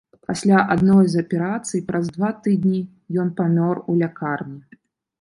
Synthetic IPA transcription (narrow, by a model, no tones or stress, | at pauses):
pasʲlʲaʔad̪nɔjzɐpʲɛɾat̪sɨjpɾɐzd̪vat̪ɨd̪ʲnʲi | jɔnpamʲɔrulʲakarnʲi